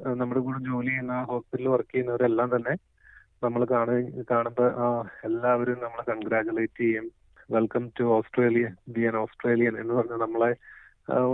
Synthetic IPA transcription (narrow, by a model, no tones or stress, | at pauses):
nɐmːuɽekuːɽed͡ʑo̞ːlijnːaɦo̞ːspɐɾilʋɐrkːijɐnːɐʋɐɾelːaːmt̪ɐnːe̞ | nɐmːɐɭkaːɳkaːɳumboelːaːʋɐɾumnɐmːɐɭkɐɳɡɾaːd͡ʑulɐjtːɨɡɐjum | ʋe̞lkɐmtuoːsʈre̞ːlijɐnbiɐnoːsʈreːlijɐnenːɨpɐrɐɲːunɐmːɐɭe